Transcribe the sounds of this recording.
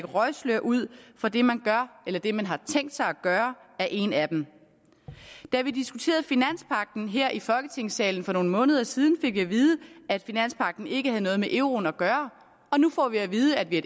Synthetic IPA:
ɡ̥əʁɒɪsløɐ̰ʔuð̰ˠfɒ̽d̥e̝mænɡ̥ɶɐelɐd̥e̝mænɦɑ̈t͡sʰeŋ̰d̥sɑ̈ɪæɡ̥ɶːɐæɐʔe̝næd̥em | d̥æʋid̥isɡ̥ut͡sʰe̝̰ːɐð̩ˠfinæn̰spʰɑ̈ɡ̥̚d̥n̩ɦeɐ̰ʔifɒ̽lɡ̥ət͡sʰe̝ŋ̰sɛ̰ːln̩fɒ̽no̝ːnəmɔ̽ːnəð̞ˠɐsiːð̞ˠn̩fe̝ɡ̥jɑ̈ʋiːð̞ˠəæd̥finæn̰spʰɑ̈ɡ̥̚d̥n̩e̝ɡ̥əhæð̞̩ˠənɔ̽ːð̞̩ˠmeʔeʊʁo̝ːn̩æɡ̥ɶːɐ | ɒ̽nufɒ̰ːʋiæʋiːðˠəæd̥ʋie

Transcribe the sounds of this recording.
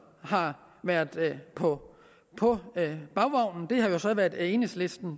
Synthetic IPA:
hɑ̈ | ʋæɐ̰dˠpʰɒ̽ | pʰɒ̽b̥ɑ̈ʊʋɑʊ̰nn̩d̥e̝ɦɑ̈jo̝sɒ̽ʋæɐd̥ˠenəslesd̥n̩

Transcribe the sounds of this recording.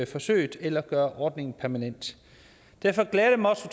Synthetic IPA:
fɒ̽sø̰ːɪd̥elɐɡ̥ɶːɐʔɒːd̥ne̝ŋn̩pʰæɐmænen̰d̥ | d̥æɐfɒ̽ɡ̥lɛːð̥əmɒsət͡sʰ

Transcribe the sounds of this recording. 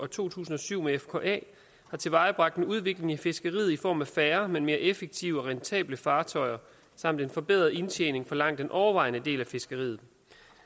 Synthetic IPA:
ɒ̽t͡sʰo̝̰ːt͡sʰṵːsn̩ɒ̽syʊ̰meefkʰɒ̰ʔɛ̰ː | hɑ̈t͡sʰe̝ʋɑ̈ɪb̥ʁɑɡ̥̚d̥enuð̞ˠʋe̝ɡ̥le̝ŋæfe̝sɡ̥əʁḭːð̩ˠifɒ̰ːmæfæːɐmenme̝ːɐʔefeɡ̥̚t͡sʰiʊɒ̽ʁɛnt͡sʰɛ̰ːb̥ləfɑ̈ːt͡sʰɒ̽ɪɐ | sɑ̈m̰d̥enfɒ̽b̥eð̰ˠɐðˠe̝nt͡ɕʰḛːne̝ŋfɒ̽lɑ̈ŋ̰d̥enʔɒʊɐʋɑ̈ɪnəd̥e̝̰ːlæfe̝sɡ̥əʁḭːð̩ˠ

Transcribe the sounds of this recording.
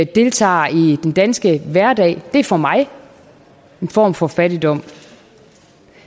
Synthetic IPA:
d̥e̝lt͡sʰɑ̰̈ːid̥end̥ænsɡ̥əʋæɐdɛ̰ːɪd̥e̝æɐfɒ̽mɑ̈ɪ | e̝nfɒ̰ːmfɒ̽fæɾ̥id̥ɒ̽m̰

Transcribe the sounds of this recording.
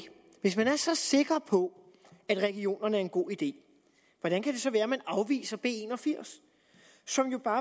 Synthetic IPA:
ʋe̝smænæɐsɒ̽se̝ɡ̥ʁɐpʰɒ̽ | æd̥ʁɛɡ̥io̝̰ːnɐnəæɐe̝nɡ̥o̝̰ːid̥e̝̰ː | ʋɒd̥ænkʰæd̥e̝sɒ̽ʋæːɐmænɑ̈ʊʋḭːsɐb̥e̝̰e̝nɒ̽fiɐ̰sː | ɒ̽mjo̝b̥ɑ̈ː

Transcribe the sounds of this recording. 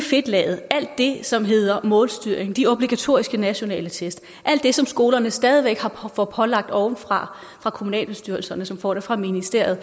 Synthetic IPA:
fe̝d̥lɛ̰ːð̩ˠæl̰d̥ːe̝sɒ̽mɦe̝ð̰ˠɐmɔ̰ːlsd̥yɐ̰eŋd̥io̝b̥liɡ̥æt͡sʰo̝̰ːisɡ̥ənæɕo̝nɛ̰ːlət͡sʰesd̥ | ʔæl̰d̥ːe̝sɒ̽msɡ̥o̝ːlɐnəsd̥ɛːð̞ˠiʋeɡ̥hɑ̈fɒpʰɒ̽lɑ̈ɡ̥̚d̥ɒʊnfʁɑ̈ | fʁɑ̈kʰo̝munɛ̰ːlb̥e̝sd̥yɐl̩sɐnəsɒ̽mfɒ̰ːd̥efʁɑ̈minisd̥e̝ɐ̰jð̞̩ˠ

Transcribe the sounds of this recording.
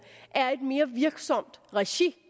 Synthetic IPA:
ʔæɐe̝d̥me̝ːɐʋiɐɡ̥sɒ̽m̰d̥ʁɛɕi

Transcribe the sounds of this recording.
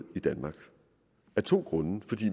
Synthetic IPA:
ð̰ˠid̥ænmɑ̈ːɡ̥ | æɐt͡sʰo̝̰ːɡ̥ʁɔ̽nəfɒ̽d̥ḭː

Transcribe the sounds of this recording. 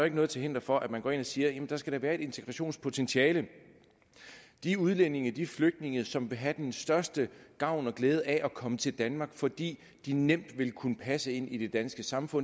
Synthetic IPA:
e̝ɡ̥nɔ̽ð̩ˠt͡sʰehend̥ɐfɒ̽ʔæd̥mænɡɒ̰ːe̝nɒsiːɐjæmn̩d̥ɑ̈sɡ̥æɾ̥ɑ̈ʋæːɐe̝ɾ̥e̝nt͡sʰe̝ɡ̥ʁɑɕo̝̰ːnspʰo̝t͡sʰenɕʰiɛːlə | d̥iuðˠlene̝ŋəd̥ifløɡ̥̚d̥ne̝ŋð̩ˠsɒ̽mʋe̝ɦæd̥ensd̥ɶɐsd̥əɡ̥ɑ̈ʊ̰nɒ̽ɡ̥leːð̞ˠəʔæʔɒkʰɒ̽mət͡sʰe̝ld̥ænmɑ̈ːɡ̥fɒ̽d̥ḭː | d̥inem̰d̥ʋe̝lkʰunəpʰæsəe̝n̰id̥e̝d̥ænsɡ̥əsɑ̈mfɔ̽n

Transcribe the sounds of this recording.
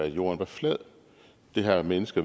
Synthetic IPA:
jo̝̰ːɐnʋɑflɛð̰ˠ | d̥e̝ɦæmenəsɡ̥ɐ

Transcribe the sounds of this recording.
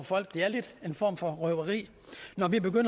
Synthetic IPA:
ɒfɒ̽l̰ɡ̥d̥eæɐled̥e̝nfɒ̰ːmfɒ̽ʁœʊɐʁḭː | nɒʋib̥e̝ɡ̥øn̰

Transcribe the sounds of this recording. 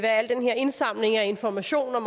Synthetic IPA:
ʋæɐæl̰d̥enɦeɐ̰e̝nsɑ̈m̰le̝ŋæe̝nfɒmæɕo̝̰ːnɒ̽m

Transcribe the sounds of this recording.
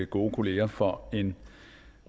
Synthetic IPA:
əɡ̥o̝̰ːkʰo̝le̝ːɐfɒe̝n

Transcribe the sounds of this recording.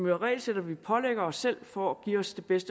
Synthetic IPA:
myɐʁɛ̰ːlsed̥ɐʋipʰɒ̽leɡ̥ɐɒsːel̰fɒ̽æɡ̥ḭːɒ̽sd̥ʰe̝b̥esd̥ə

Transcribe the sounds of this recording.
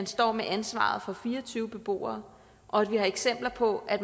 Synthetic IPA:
ænsd̥ɒ̰ːmeʔænsʋɑ̰̈ð̞̩ˠfɒ̽fiːɐɒt͡sʰyːʊəb̥e̝b̥o̝̰ːɐː | ʔɒ̽æd̥ʋihɑ̈e̝ɡ̥sem̰b̥lɐpʰɒ̽ʔæd̥

